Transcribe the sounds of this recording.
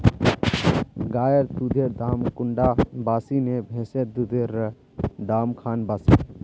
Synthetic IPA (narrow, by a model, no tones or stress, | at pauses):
ɡaːjəɾd̪ud̪ʱeɾd̪aːmkʊɳɖabaːsinebʱẽːsed̪ud̪ʱeɾ | d̪aːmkʰaːnbaːsi